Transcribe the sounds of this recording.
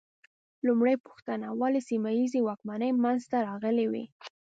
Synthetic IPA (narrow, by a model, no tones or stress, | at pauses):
lumɽajpʊ̥xt̪anawɑlesimajizewɑkmanəjmanzt̪aɾɑɣəliwḭ